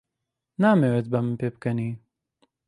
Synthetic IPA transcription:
naːmeːwet̪bɐmɨnpeːb̚kɐniː

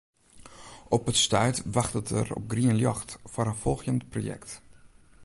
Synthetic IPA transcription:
ɔpətstœɥtʋaxtətə̰rɔ̰p̚ɡriənljɔxtfaɾəfɔlˠxjəntprojɛ̰kt

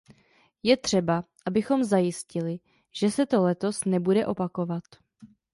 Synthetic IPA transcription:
jɛt̪r̝̥ɛbaʔabɪxo̞mzajɪscɪlɪ | ʒ̥ɛsɛt̪o̞lɛt̪o̞snɛbudɛʔo̞pako̞vat̪

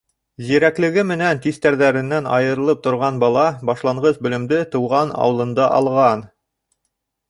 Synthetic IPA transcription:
ziɾæklɘ̆ɡɘmɘ̆nænt̪ist̪æɾðæɾɘ̆nːænɑ̰jɤ̆ɾɤ̆lˠɤp̚t̪ŏɾʁɑnbɑlˠɑbɑʃlˠɑɴʁɤzbɵ̆lɘ̆md̪ɘt̪ɤ̆wʁɑnɑ̰wɤ̆lˠɤ̆nd̪ɑʔɑ̰lˠʁɑn

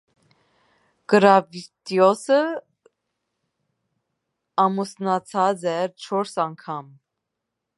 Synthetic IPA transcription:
ɡ̥əɾɑvit̪jɔsə | ɑmusnɑt͡sʰɑd͡zɛt͡ʃʰɔɾsɑŋkʰɑm

